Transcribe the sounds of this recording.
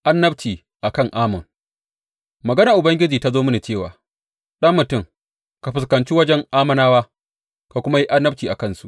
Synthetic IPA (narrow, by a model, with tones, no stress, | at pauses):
ʔa˦nːɐ˦bt͡ʃiː˨ | ʔa˨kɐ˦˨ŋʔaː˦mɐ˨ŋ | mɐ˨ɡɐ˦naː˨ʔʊ˨bɐ˦ŋɡʲɪ˦d͡ʒiː˨ta˦zoː˦mʊ˦ni˨t͡ʃeː˦˨wa̰ː˨ | ɗɐ˦mːʊ˨tʊ˦˨ŋ | ka˨ɸɪ˨skɐ˨nt͡ʃi˦wɐ˦d͡ʒɛ˦ŋʔaː˦mɐ˦naː˦waː˦ | ka˨kʷʊ˦ma˦ji˦ʔa˦nːɐ˦b̚t͡ʃiː˨ʔa̰˨kɐ˦˨nsu˦ʔ